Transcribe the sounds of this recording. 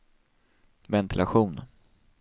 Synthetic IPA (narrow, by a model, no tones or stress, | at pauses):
vɛnt̪ʰɪlʔaɧuːn